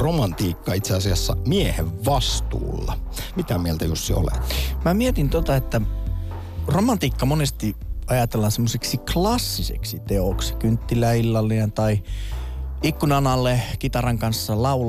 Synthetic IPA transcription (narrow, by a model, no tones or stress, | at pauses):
romɑnt̪iːkːɑit̪seɑsiɑsːɑ̰mieheʋʋɑst̪ṵːlːɑ̰ | mit̪æmielt̪æjusːḭo̰lḛt̪mæmiet̪int̪ot̪ɑet̪ːæ | romɑnt̪iːkːɑmonest̪iɑjɑt̪elːɑsemːoseksiklɑsːisḛksit̪eoksi̥kynt̪ːilæilːɑlːinent̪ɑi | ikːunɑnɑlːekit̪ɑrɑŋkɑnsːɑlɑul